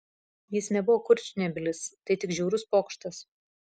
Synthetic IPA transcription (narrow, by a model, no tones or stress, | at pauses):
jɪsnʲɛbʊʋoːkʊɾʲt͡ʃʲnʲɛbʲɪlʲɪst̪ɐɪt̪ʲɪkʒʲɛːɾʊspoːkʃt̪ɐs